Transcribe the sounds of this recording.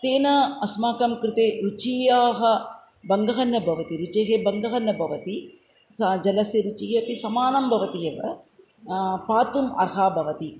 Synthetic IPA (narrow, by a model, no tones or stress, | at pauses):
t̪eːnɐɐsmaːkɐmkɾɪt̪eːɾut͡ʃiːjaːɦɐ̆ | bɐŋɡɐɦɐnːɐbʱɐʋɐt̪iɾut͡ʃeɦebɐŋɡɐɦɐnːɐbʱɐʋɐt̪i | sɐd͡ʒɐlɐsɐɾut͡ʃiɦeɐpisɐmaːnɐmbʱɐʋɐt̪ijɐʋɐ̰ | paːt̪umɐ̰ɾɦaːbʱɐʋɐt̪i